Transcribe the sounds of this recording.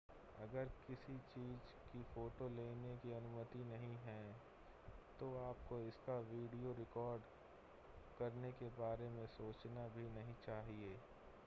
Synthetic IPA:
ɐɡəɾkɪsit͡ʃiːzkifoːʈoleːnekiɐnʊmət̪inɐɦĩɦɛː | t̪oaːp̚koɪskaʋiːɖijoɾɪkɔːɾɖ | kɐɾnekebaːɾemẽsoːt͡ʃnabʱinɐɦĩt͡ʃaːɦieː

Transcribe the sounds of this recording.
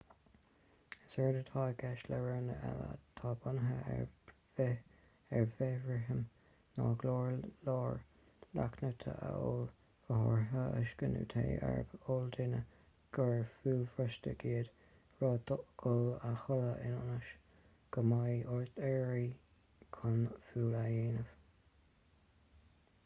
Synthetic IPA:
əsɛɹdət̪ʰɑːɡɛʃləɹɛnəʔɛ̰lə̰t̪ʰɑːbʊnəɦə | ɛɹvɛvɹɪɦəm | nɑːɡloːɹloːɹ | la̰knət̪ʰə̰ʔəol | əhɔɹɦəəʃɡ̥ənṵːt̪ʰḛjɛ̰ɹəbold̪ɪnə | ɡ̥əɹfuːlfɹəʃtəɡiːəd̪ | ɹɔːd̪ʊʔɡ̥ʊlaxʊləʔɪnʊnəʃ | ɡ̥əmajʊɹθɛɹi | kʰʊnfuːlajeːnəv̥

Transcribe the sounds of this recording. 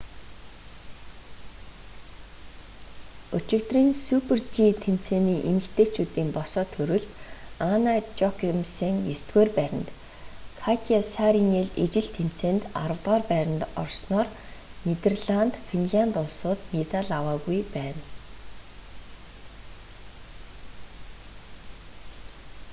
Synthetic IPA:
ʊt͡ɕɪ̆kt̪riːnsupʰert͡ɕit̪ʰem̥t͡seːniːʔemɘ̆kt̪ʰeːt͡ɕuːt̪iːmpɔsɔːt̪ʰɵɾɵ̆ɮt̪anat͡ɕɔkʰemseŋjɵst̪ɡeːrpæɾʲɪ̆nt̪ | kʰat̪ʰʲiasaɾiŋeɮet͡ɕɪ̆ɮt̪ʰem̥t͡seːnt̪a̰ɾə̆wt̪ʁɔːrpæːɾʲɪ̆nt̪ɔ̰rsnɔːr | nit̪erɮant̪finɮant̪ʊɮsʊːt̪met̪aɮawaːɣujpæːn

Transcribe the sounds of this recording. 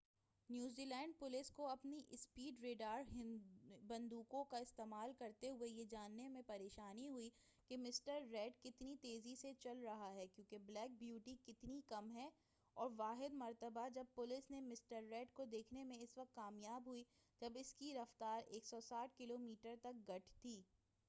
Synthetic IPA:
njuːziːlɛ̃ːɳɖ̚pʊlɪskoɐpniʔspiːɖɾeːɖaːɾɦɪ̃bɐ̃nd̪uːkõkaɪst̪eːmaːlkɐɾt̪eɦʊejed͡ʒaːnːemẽpɐɾeːʃaːniɦʊi | kemɪsʈəɾːɛːɖkɪt̪nit̪eːziset͡ʃɐlɾɐɦaɦɛkjõːkeblɛːk̚bjuːʈikɪt̪nikɐmɦɛ | ɔːɾʋaːɦɪd̪mɐɾt̪əbad͡ʒɐb̚pʊlɪsnemɪsʈəɾːɛːʈkod̪eːkʰnemẽɪsʋɐk̚t̪kaːmjaːbɦʊi | d͡ʒɐbɪskiɾɐft̪aːɾeːksɔsaːʈ̚ʰkɪloːmiːʈəɾt̪ɐk̚ɡɐʈʰt̪ʰiː

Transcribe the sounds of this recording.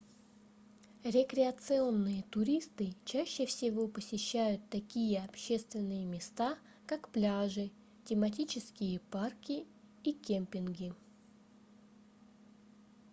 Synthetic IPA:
ɾʲɪkɾʲɪɐt̪sɨo̞nːɨjət̪ʊɾʲist̪ɨt͡ɕæɕːɪfsʲɪvo̞pəsʲɪɕːæjʊt̪ːɐkʲijəɐpɕe̞st̪vʲɪnːɨjəmʲɪst̪a | kakplʲaʐɨ | tʲɪmɐtʲit͡ɕɪskʲɪjəparkʲɪ | ikʲemʲpʲɪnɡʲɪ

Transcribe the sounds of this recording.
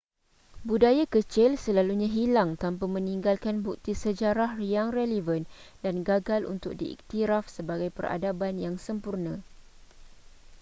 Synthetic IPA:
budajakət͡ʃɪlsəlaluɲãɦilaŋt̪ampamə̃niŋɡalkanbuk̚t̪isəd͡ʒaɾahjaŋrɛlivəndanɡaɡalʔṵnt̪ʊk̚diḭk̚t̪iɾafsəbaɡajpəra̰dabanjaŋsəmpurnã

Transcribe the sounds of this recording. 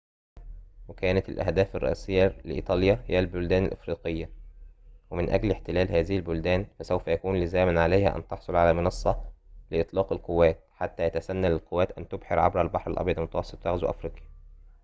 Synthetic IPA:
wekæːnæt̪ɪlʔæ̰hd̪æːfɑrˤːɑ̰ʔæ̰ːsejːæleʔḭːt̪ˤɑːljæhejːælbʊld̪æːnælʔḛfɾiːqejːæ | wemɪnʔæ̰ɡlɪħt̪ɪlæːlhæːzɪhɪlbʊld̪æːnfæsæwfæjækuːnlɪzæːmɪnʕalejhæ̰ʔæ̰nt̪ɑħsˤolʕalæmɪnɑsˤːɑlɪʔɨt̪ˤlɑːqɪlqowːæːt̪̚ħat̪ːæjæt̪æsænːælɪlqowːæːt̪ʔænt̪obħeɾʕa̰bɾælbɑħɾælʔɑ̰bjɑd̪mʊt̪æwɑsˤːɨ̥t̪ˤfɑɣzwʔæ̰fɾiːqjæ

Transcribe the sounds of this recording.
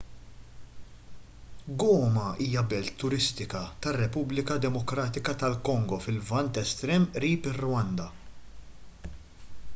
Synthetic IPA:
ɡɔːmɐiːjɐbɛlt̪ːʊɾɪst̪ɪkɐt̪ɐrːɛpublɪkɐd̪ɛmɔkɾɐːt̪ɪkɐt̪ɐlkɔŋɡɔfɪlvɐnt̪ɛst̪ɾɛːmʔɾiːpɪrːʊwɐnd̪ɐ

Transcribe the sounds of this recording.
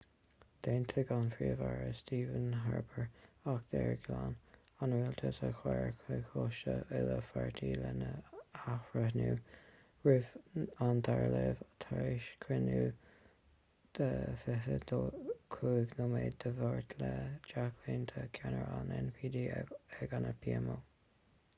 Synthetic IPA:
d̪̥eːnt̪ʰəɡanfɹiːəvaɹəst̪iːvənɦaɹbəɹakd̪̥ɛɹɡlan | anɹiːlt̪ʰətʰəxwɛɹkʰwexoʃəɪðəfaɹt̪ʰiːlɛnəaxɹəhnuː | ɹɪvant̪ʰaɹlɛvt̪ʰaɹiʃkʰɾɪnuː | d̪̥əfɪɦəd̪okʰuːɡnəmeːd̚d̪əvɔɹt̪ʰləd͡ʒakʰliːnt̪ʰəkʰanəɹanɛnpʰiːd̪iːɛɡanəpʰiɛmoː

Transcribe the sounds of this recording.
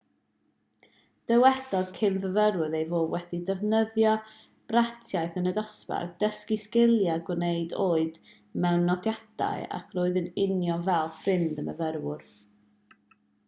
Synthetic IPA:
d̥əwɛd̥ɔd̥kʰɪmvəvəɾwʊðejvoːwɛdidəvnəðjɔ | b̥ratʰjaɨθənədɔspa̰rd̥əskiskɪlˠjaɡwnejdoːɨd̥ | mɛwnːɔdjad̥a̰ɨa̰kʰroːɨðənɪnjɔvɛlˠfrɪndəməvəɾwʊr

